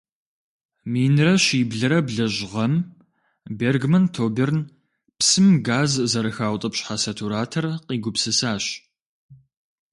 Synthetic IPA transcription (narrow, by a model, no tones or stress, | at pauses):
miːnrɐʃiːbɮɐɾɐbɮɐʑʁɐm | beːrɡmɐntʰoːbern | psɨmɡaːzzɐɾɨxaːwʷtʼɐpɕħasɐtʰuɾaːtʰɐrqʼiːɡʷʊpsɨsaːɕ